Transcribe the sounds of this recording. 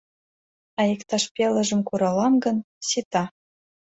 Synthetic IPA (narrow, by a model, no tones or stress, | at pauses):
ɑjekt̪ɑʃpʲelə̆ʒə̆mkuɾɑlɑmɡə̆n | sit̪ɑ